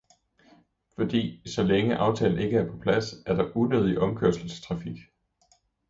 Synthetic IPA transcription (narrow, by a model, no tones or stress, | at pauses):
fɒ̽d̥ḭːsɒ̽leŋəʔɑ̈ʊt͡sʰɛ̰ːln̩e̝ɡ̥əæɐpʰɒ̽pʰlæsæɐɾ̥ɑ̈ʔunøðˠiʔɒ̽mkʰøɐsl̩st͡sʰʁɑ̈fiɡ̥